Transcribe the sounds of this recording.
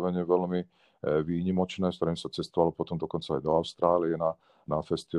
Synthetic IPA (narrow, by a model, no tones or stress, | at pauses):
ʋɛɲɪɛʋɛlmi | ʋiːɲimɔt͡ʃnɛːskt̪ɔɾiːmsat͡sɛst̪ɔʋalɔpɔt̪ɔmd̪ɔkɔnt͡saːjd̪ɔaʊst̪ɾaːlijɛna | nafɛst̪i